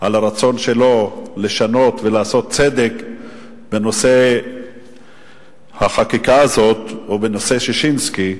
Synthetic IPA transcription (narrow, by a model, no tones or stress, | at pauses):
ʔalaɾat͡so̞nʃe̞lo̞le̞ʃano̞t̪velaːso̞t̪̚t͡sed̪ek | be̞no̞se̞ | haχakikaːzo̞t̪obeno̞seʃeʃinski